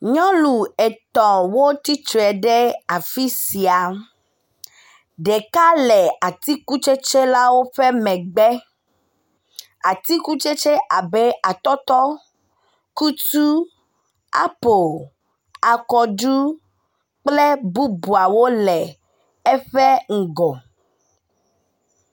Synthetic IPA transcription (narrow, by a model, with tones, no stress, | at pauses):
ɲɔ̃˦lu˨ɛ˨t̪ɔ̃˨wo˦t̪i˦tɾɛ˨ɖɛ˦a˨fi˦si˨a˨ | ɖɛ˨ka˦lɛ˨a˨t̪i˦ku˦t͡ʃe˦t͡ʃe˦la˦wo˦ɸɛ˦mɛ̃˨ɡ͡bɛ˦ | a˨t̪i˦ku˦t͡ʃe˦t͡ʃe˦ʔa˨bɛ˦a˨t̪ɔ˦t̪ɔ˦ | ku˦t̪u˦ | a̰˦po˨ | a˨kɔ˨d͡ʒu˦ | k͡plɛ˦bu˦bu˨a˨wo˦lɛ˨ | ɛ˦ɸɛ˦ŋ̩˨ɡɔ˨